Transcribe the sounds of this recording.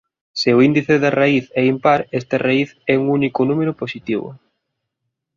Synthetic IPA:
sɪʊind̪iθeðɐraiθɛimpaɾest̪arʔaiθɛuŋunikʊnumeɾʊposit̪iβʊ̰

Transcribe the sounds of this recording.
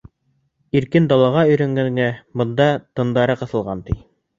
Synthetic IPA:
iɾkɘnd̪ɑlˠɑʁɑɵ̆jɾæŋɡæŋɡæbɤ̆nd̪ɑt̪ɤ̆nd̪ɑɾɤqɤ̆θɤ̆lˠʁɑnt̪i

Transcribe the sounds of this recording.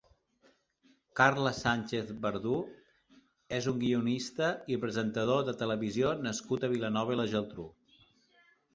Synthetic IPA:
karləsanʲt͡ʃeθbəɾðu | ezuŋɡiunist̪əipɾəzənt̪əð̞oðət̪ələβizionəskut̪əβilənɔβ̞ələʒəlˠt̪ɾu

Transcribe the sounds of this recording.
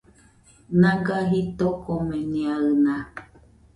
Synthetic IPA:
nãɡaɦit̪okomẽnĩaɨnã

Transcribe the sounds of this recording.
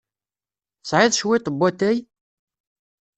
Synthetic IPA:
sˤʕɪðˤʃwit̪ˤbːæt̪æj

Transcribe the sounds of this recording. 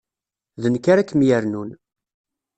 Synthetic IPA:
ðənkaɾakːmjæɾnun

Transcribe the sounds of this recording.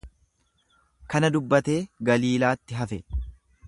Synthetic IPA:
kɐnɐd̪ʊbːɐt̪e̞ːɡɐliːlaːt̪ːɪɦɐfɛ

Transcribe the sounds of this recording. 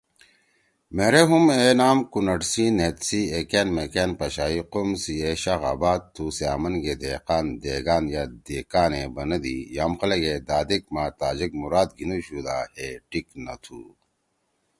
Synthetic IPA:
meɾeɦumeːnaːmkunɐʈsinet̪sieːkeːnmekeːnpɐɕaːiqomsieɕaxa̰ːbaːd̪̚t̪ʰːuːsea̰ːmɐnɡed̪eːqaːnd̪eːɡaːnjad̪eːkaːnebɐnɐd̪ḭjaːmxɐlɐɡed̪aːd̪ek̚maːt̪aːd͡ʑikmuɾaːd̪ɡʱinuɕud̪aːheʈiknɐt̪ʰṵː

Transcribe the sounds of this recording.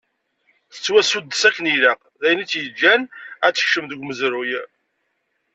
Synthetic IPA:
θə̥t͡sːwæsud̪ːəsækːəniləq | ðæjənit͡sːjəd͡ʒːænæt͡sːə̥çʃəmðəɡʷməzɾuj

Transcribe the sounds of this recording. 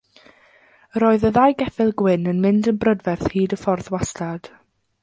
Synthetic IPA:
ɾoːɨðəðajɡɛfɪlˠɡwɪnənmɪndənbrədvɛrθhiːdəfɔrθwastʰad̥

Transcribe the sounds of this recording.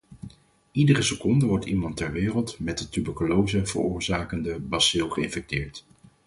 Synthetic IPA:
idərəsəkɔndəʋɔɹtimɑntɛɹʋɪːrəlˠtmɛt̚dətybəɹkolowzəv̥ə̰rʊːɹzaːkəndəbɑsɪlˠχəɪnfɛk̚tɪːɹt

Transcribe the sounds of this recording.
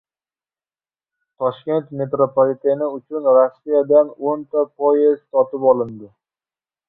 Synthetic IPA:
t̪ʰɒʃkʲe̞nt̪me̞t̪ɾopʰolit̪ʰenɪʊt͡ʃʰʊnɾasːijad̪anont̪ʰapʰojɪzt̪ʰɒt̪ɪpɒlˠɪnd̪ɪ

